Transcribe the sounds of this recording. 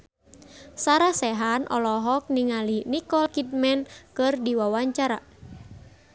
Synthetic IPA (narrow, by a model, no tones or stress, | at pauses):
saɾasɛɦanʔɔ̰lɔɦɔk̚niŋalinikɔlkit̪̚mɛnkɨrdiwawaɲt͡ʃaɾa